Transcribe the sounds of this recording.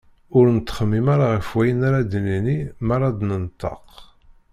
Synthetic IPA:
ʊɾnət̪ːχəmːimaɾaʁəfwæjənaɾad̪əlinimaɾˤɑd̪nənt̪ːɑ̰q

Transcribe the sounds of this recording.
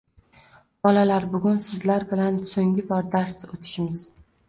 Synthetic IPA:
bɒlalaɾbʊɡʲʊnsɪzlaɾbɪlansoŋɡʲɪbɒɾd̪aɾsot̪ʰɪ̥ʃɪmɪz̥

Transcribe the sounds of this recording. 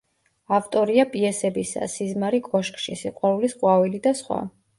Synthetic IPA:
aft̪ʼɔɾiapʼiɛsɛbisa̰sizmaɾikʼɔʃkʼʃḭsiqʼwaɾulisqʼwavilid̪asχwa̰

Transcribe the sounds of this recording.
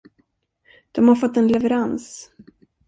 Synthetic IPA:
d̪̥ɔmhaɾfɔt̪ːɛnlɛvɛɾans

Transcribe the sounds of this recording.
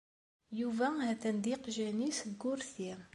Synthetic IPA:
juvæhæθænd̪iqʒænisɡːʊɾθi

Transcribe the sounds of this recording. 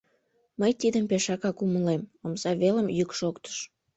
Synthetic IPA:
məjt̪id̪əmpeʃɑkɑkuməlemomzɑβeləmjykʃokt̪ə̥ʃ

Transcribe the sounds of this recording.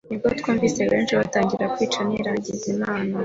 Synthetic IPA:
nib̚ɡot̪kuːmviseβe̞ːnʃiβataːŋɡiɾakwiːt͡ʃaniɾaɲɟizimaːna

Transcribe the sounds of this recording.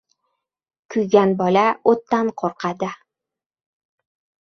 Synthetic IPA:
kʲʰʊjɡʲanbɒlaot̪ːanqʰoɾqʰɑd̪ɪ

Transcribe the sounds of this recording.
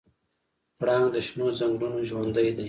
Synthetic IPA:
pɽɑŋd̪əʃnozaŋɡɾunoʒwand̪əjd̪aj

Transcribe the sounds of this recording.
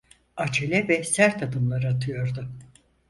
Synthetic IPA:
at͡ʃʰelʲɛvɛsæɾt̪ʰad̪ɯmlˠaɾɯat̪ʰɯjo̞ɾd̪ʊ

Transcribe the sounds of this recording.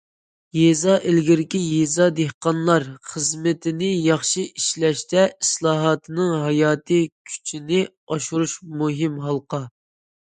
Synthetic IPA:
jezɑʔɪlɡʲɪɾɪkʲijezɑd̪ehqɑnlˠɑɾχəzmɪt̪ʰɪnɪjɑχʃiiʃlɛʃt̪ɛislˠɑːɦɑt̪ʰɨnɨŋɦɑjɑːt̪ʰɨkʲʰy̥t͡ʃʰinɪ | ɑʃuɾuʃmuɦɪmɦɑlˠqɑ

